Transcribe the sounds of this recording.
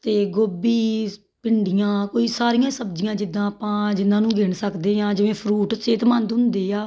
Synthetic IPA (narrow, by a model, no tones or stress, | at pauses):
t̪eːɡoːbiː | pɪɳɖɪjãːkoːiːsaːɾɪjãːsəbd͡ʒɪjãːd͡ʒɪd̪ãːpãːd͡ʒɪnːãːnũːɡeːɳsəkd̪eːãːd͡ʒɪʋẽːpʰɾuːʈt͡ʃeːt̪mãnd̪ɦʊ̃nd̪eːaː